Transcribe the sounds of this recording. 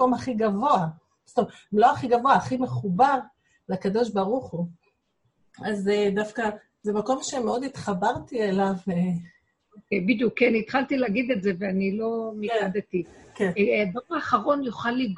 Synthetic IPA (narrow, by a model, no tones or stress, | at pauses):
o̞maχiɡavo̞a | st̪om | loaχiɡavo̞aːχime̞χubaʁ | lakad̪o̞ʃ̬baʁuχu | azed̪afka | zemako̞mʃe̞meo̞d̪it̪χabaʁtielave | okejbid̪jukːeanit̪χalt̪ileaɡid̪eze̞veanilo̞miadet̪ikedauʁaːχaʁo̞njuχalːiɡ